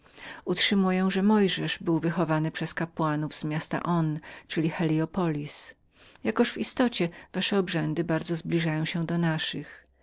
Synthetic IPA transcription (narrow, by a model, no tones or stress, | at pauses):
utʂɘmujɛw̃ʐɛmɔjʐɛʐbɘwvɘxɔvanɘpʂɛskapwanuvz̥mʲjast̪a̰ʔɔnt͡ʂɘlʲixɛlʲiɔpɔlʲis | jakɔʂvist̪ɔt͡ɕɛvaʂɛɔbʐɛnd̪ɘbaɾd̪zɔzblʲiʐajɔ̃w̃ɕɛ̃d̪ɔnaʂɨx